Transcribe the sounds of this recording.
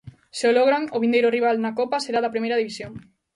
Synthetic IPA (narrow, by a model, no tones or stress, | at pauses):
seoloɣɾaŋoβ̞ind̪ejɾʊriβ̞alnakɔpaseɾaðɐpɾimejɾɐðiβisjoŋ